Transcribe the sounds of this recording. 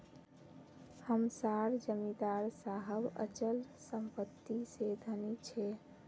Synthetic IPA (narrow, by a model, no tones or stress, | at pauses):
həmsaɾd͡ʒəmid̪aɾsaɦəbə̰t͡ʃəlsəmpət̪ːised̪ʱənit͡ʃʰɛ